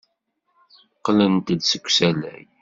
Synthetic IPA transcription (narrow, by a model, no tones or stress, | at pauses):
qːlənt̪əd̪səkʷːsælæ̰j